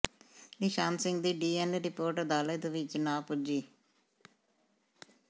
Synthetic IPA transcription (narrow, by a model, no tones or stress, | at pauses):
nɪʃaːnsɪŋɡd̪iːɖiːɛnɾɪpoːɾʈəd̪aːləːd̪əʋɪt͡ʃnãːpʊd͡ʒiː